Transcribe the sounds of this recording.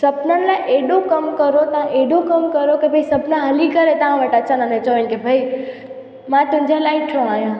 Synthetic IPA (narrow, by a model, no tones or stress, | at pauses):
səpnalãʔeɗõkəmkəɾot̪əãʔeɽõkəmkəɾokebʱəisəpnãɦəlikəɾet̪əʋãʋəʈət͡ʃanãnẽt͡ʃoʋẽnkebʱəi | mãt̪ʊ̃d͡ʒʱẽlaiʈʰõaːɦjã